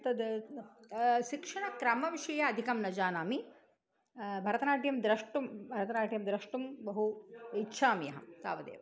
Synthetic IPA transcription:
t̪ɐd̪ | ʃikʂɐɳɐkɾɐmɐʋiʂɐjaɐd̪ʱikɐmnɐd͡ʒaːnaːmi | bʱɐɾɐt̪ɐnaːʈjɐmd̪ɾɐʂʈumbʱɐɾɐt̪ɐnaːʈʰijɐmd̪ɾɐʂʈumbɐɦuitːʃʰaːmijɐɦɐt̪a̰ːʋɐd̪ḛːʋɐ

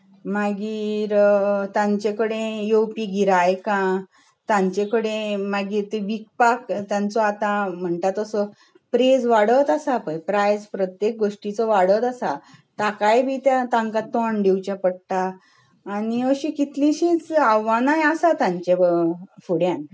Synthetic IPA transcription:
maɡiːɾt̪ãɲt͡ɕekəɽẽjowpiɡʱiɾajkã | t̪ãɲt͡ɕekəɽẽmaɡiːɾt̪eʋik̚pakt̪jãnt͡sɔat̪ãm̤əɳt̪at̪əsɔ | pɾed͡zʋaɽət̪asapəjpɾajd͡zpɾət̪jek̚ɡoʂʈit͡sɔʋaɽət̪asat̪akajbʱiːt̪jãt̪ãŋkat̪ɔɳɖiwt͡ɕãpəɽʈ̪aː | niəɕikit̪lĩɕĩːt͡saʋanajasat̪ãɲt͡ɕefuɽjãn

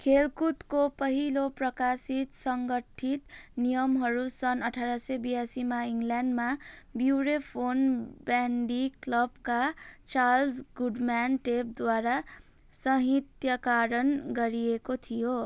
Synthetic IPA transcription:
kʰelkut̪kopʌɦiloprʌkasit̪sʌŋɡʌʈʰit̪nijʌmɦʌɾusʌnʌʈʰaɾʌsʌbijasimaiŋɡljanɳɖmabjuɾepʰonbanɖiklʌbkat͡salsɡuɖmanʈep̚d̪waɾa | sʌɦit̪jʌkaɾʌnɡʌɾijekot̪ʰijo

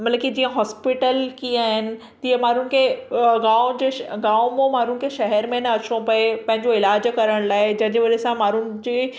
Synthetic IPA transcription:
mɐt̪ləkid͡ʑiːə̃ɦɔːspɪʈəlkiaːɦɪnɪ̆ | t̪iːɐmaːɾ̤ʊɽ̃ɪ̆kʰeɡaːʊ̃d͡ʑeːɡaːʊmõmaːɾʊnɪ̆kʰeʃɐɦɛɾmẽnɐɐt͡ɕõpɐepɐ̃ɦɪ̃ɲd͡ʑoɪlaːd͡ʑkɐɾəɽ̃laːɪd͡ʑɐ̃ɦɪ̃ɲd͡ʑeʋɐɾesãmaːɾʊñɪ̆d͡ʑiː

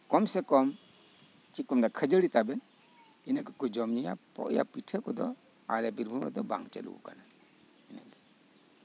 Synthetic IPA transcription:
kɔmsekɔm | t͡ʃikɔmdakʰəd͡ʒəɾitaben | inakɯkud͡ʒɔmnija̰pɔ̰ʔja̰pitʰəkɔdɔ | a̰labiɾbʱumɾɔ̰dɔba̰ŋt͡ʃa̰lṵṵkanan | inadi

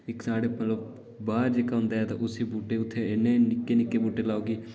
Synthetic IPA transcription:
ɪksaːɽeːmət̪ləb̚ | baːɾd͡ʒeːkaɦʊ̃nd̪aːɛːt̪ã̰ʔʊsiːbuːʈeːʊt̪ʰːeːɪnːẽːnɪkːeːnɪkːeːbuːʈeːlaːoːɡiː

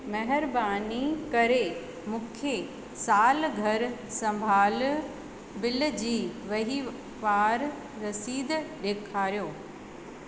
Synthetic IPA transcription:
mɐɦɪɾbaːnikɐɾe | mũːkʰe | saːlɡʱɐɾsɐ̃mbʱaːl | bɪld͡ʑiːʋɐɦi | ʋaːɾː | ɐsiːd̪ɗeːkʰaːɾijoː

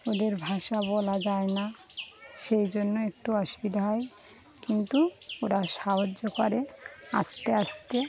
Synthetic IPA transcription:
od̪eɾbʱaʃabɔlad͡ʑaena | ʃejd͡ʑonːoek̚ʈuɔʃubid̪ʱaɦɔe | kint̪uoɾaʃaɦod͡ʒːokoɾea̰st̪eaʃt̪e

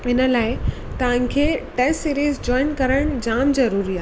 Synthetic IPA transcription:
ɪnə̆laːɪ | t̪ɐʋ̤ə̃kʰeʈessiːɾiːzd͡ʑɔːɪnkɐɾəɽ̃d͡ʑaːmzɐɾuːɾiaː

